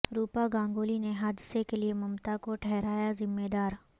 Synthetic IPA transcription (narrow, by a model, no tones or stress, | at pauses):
ɾuːpaɡãːŋɡoːlineɦaːd̪ɪsekeliemɐmt̪akoʈʰɛɦɾaːjazɪmːeːd̪aːɾ